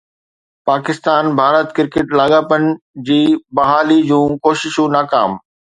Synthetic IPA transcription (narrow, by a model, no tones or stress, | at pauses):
paːkɪst̪aːnbʱaːɾət̪kɪɾkeʈlaːɠaːpənɪ̆d͡ʑiːbɐɦaːlid͡ʑũːkoːʃɪʃũnaːka̰ːm